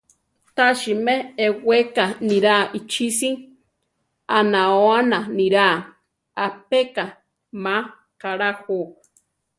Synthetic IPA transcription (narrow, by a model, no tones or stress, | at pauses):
t̪aʃimeewekanĩɾaʔit͡ʃʰisiŋ | anãoananĩɾa | apeka | ma | kaɾaho